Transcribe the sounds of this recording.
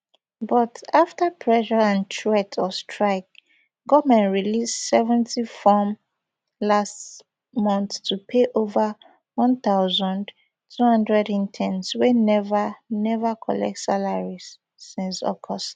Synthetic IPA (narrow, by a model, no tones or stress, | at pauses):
bɔtaftəpʰɹɛʃəãntʰɛtʰɔstʰɹaɪk̚ | ɡɔvmɛ̃ntɹilissɛvɛ̃ntifɔm | last | mɔ̃nθtʰupʰeʔovə | wɔ̃nθaʊzə̃nd | tʰuhʌ̃ndɹɛdĩntʰɛ̃nswenɛvənɛvəkʰɔlɛ̰k̚tsalaɹiz̥ː | ĩnsɔ̰kʰɔst